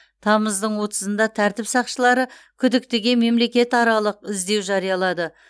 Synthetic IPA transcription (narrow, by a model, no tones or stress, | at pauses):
t̪ʰɑməzd̪əɴwo̞t̪ə̥zənd̪ɑt̪ʰæɾt̪ɪpsɑqʃəlˠɑɾəkʲʰʏd̪ɪk̚t̪eɡʲe̞me̞mle̞kʲe̞t̪ɑɾɑlˠəqɪzd̪e̞wʒɑɾijɑlˠɑd̪ə